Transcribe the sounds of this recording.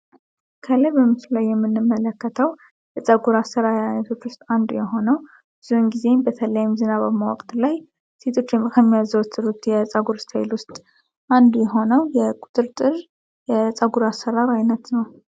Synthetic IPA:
kʰələbəmɨslulajːɛmːɨnːɨmːələkːət̪ʰəw | jɛt͡sʼəɡuɾasəɾaɾajnət̪ʰo̞t͡ʃːwʊst̪ʼand̪ujɛɦo̞nəw | bɨz̥uɨnɡize̞bət̪ʰəljɪmzɨnaβaβmawɔ̰kʼt̪laj | se̞t̪ʰo̞t͡ʃːjɛkʰəmːijazəwt̪ːɨɾut̪jɛt͡sʼaɡuɾst̪ʰajɪlwʊst̪ʼ | ʔand̪ujɛɦo̞nəwjɛkʼut̪ʼɨɾt̪ʼɨr | jɛt͡sʼaɡuɾasəɾaɾajnət̪nəw

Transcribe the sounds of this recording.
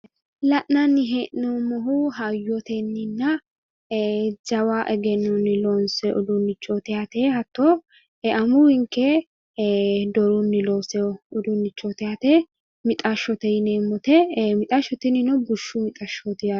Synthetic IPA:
lɐʔnɐnːɪɦeːʔnomɔɦuɦɐjːɔt̪ɛnːɪnːɐ | d͡ʒɐwaːʔɛɡɛnːʊnːɪlonsɛʔɔd̪ʊnːɪt͡ʃːot̪ɛat̪eːhɐt̪ːoː | ɛɐmʊhɪŋkːɛ | d̪ɔɾʊnːɪloːsɛʊd̪ʊnːɪt͡ʃːot̪ɪat̪ɛ | mɪt̪ʼaʃɔt̪ɛjɪneːmːɔt̪ɛmɪt̪ʼaʃɔt̪ɪnɪnɔbʊʃːʊmɪt̪ʼɐʃot̪ɪa

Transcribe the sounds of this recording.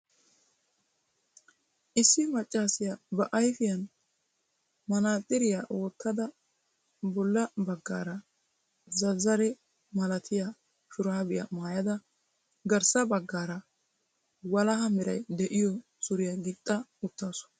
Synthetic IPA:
ʔɪsːɪmɐt͡ʃʼːaːsɪjabɐʔɐjfɪjɐn | mɐnaːt̪ʼːɪɾɪjaʔoːt̪ʰːɐd̪ɐ | bɔlːɐbɐɡːa̰ːɾɐ | zɐzːɐɾɛ | mɐlɐt̪ʰɪja | ʃʊɾaːbɪjɐ̰maːjɐd̪ɐ | ɡɐɾsɐbɐɡːaːɾɐ | wɐlɐɦɐmɪɾɐ̰jd̪ɛʔɪjɔ | sʊɾɪjɐɡɪt̪ʼːɐʊt̪ːaːsʊ̥

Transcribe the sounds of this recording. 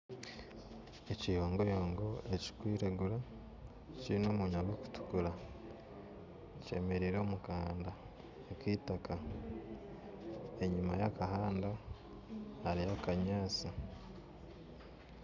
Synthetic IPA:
ecijoːŋɡojoːŋɡoeci̥kwiːɾeɡuɾa | ciɾino̞ːmuɲaɡeku̥tu̥kuɾa | ce̞̰me̞ɾiɾo̞ːmukaːnda | ekiːtaka | e̞ɲumajakahaːnda | haɾijakaɲaːt͡sa

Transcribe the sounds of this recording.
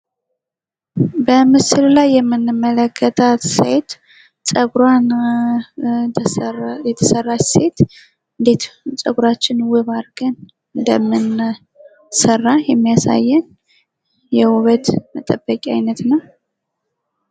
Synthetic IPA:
bəmɨsɨllajːɛmːɨnːɨmːələkʰːət̪ʼʰasḛt̪ | sʼəɡɾan | jɛt̪ʰəsərːase̞t̪ | ɨd̪et̪t͡sʼəɡuɾat͡ʃːɪnwɨβaɾɡɨn | ɨnd̪əmːɨn | sərːajɛmːijasa̰jːɛn | jɛwuβət̪mət̪ʼəbːəkʼiajnət̪nəw

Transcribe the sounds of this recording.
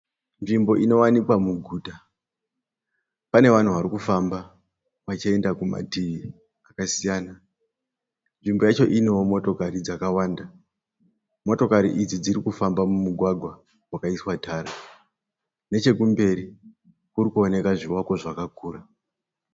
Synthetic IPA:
nʐimbo̞ʔino̞wanikwamuɡʱuːta | pane̞ʋan̤uʋaɾikufamba | ʋat͡ʃie̞ndakuma̰tii | akasijaːna | nʐimbo̞jat͡ʃo̞ʔiniomo̞to̞kaɾid͡zakawaːnda | mo̞to̞kaɾḭʔid͡zid͡ziɾikufambamumuɡʱwaɡʱwa | wakaiswatʰaːɾa | ne̞t͡ʃe̞kumbe̞ɾi | kuɾikuo̞ne̞kaʐiwako̞ʐakakuːra

